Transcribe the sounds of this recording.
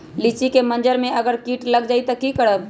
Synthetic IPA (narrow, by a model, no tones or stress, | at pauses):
lit͡ʃikemɐ̃nd͡ʒəɾmẽɐɡəɾkiːʈlɐɡ̚d͡ʒaːit̪ɐkikɐɽəb